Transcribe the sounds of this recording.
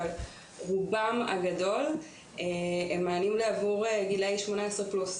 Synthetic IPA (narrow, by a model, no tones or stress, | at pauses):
al | ʁubama̰ɡado̞l | eemːaːnimleavuʁeɡilajʃmo̞naesʁeplus